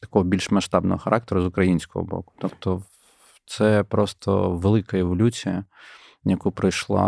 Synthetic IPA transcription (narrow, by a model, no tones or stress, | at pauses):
t̪ɐ̥kɔɦɔbʲilʲʃmɐʃt̪ɑbnɔ̰ɦɔxɐɾʔɑk̚t̪eɾʊzʊkɾɐjinʲsʲkɔ̰ɦɔ̰bɔ̰kʊ̥t̪ɔpt̪ɔ | t̪sɛpɾɔst̪ɔ̰ʋelˠɪkɐɪʋɐlʲut͡sʲijɐ | jɐkupɾɐjʃlˠɑ̰